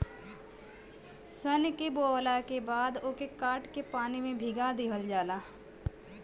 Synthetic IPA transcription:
sənkeboːlakebaːd̪oːkekaːʈkepaːnimẽbʱiɡad̪eːɦəld͡ʒaːlaː

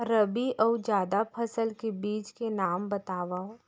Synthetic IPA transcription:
ɾəbiʔɔːd͡ʒjaːd̪apʰɐsəlkebiːt͡ʃkenaːmbɐt̪aːʋa

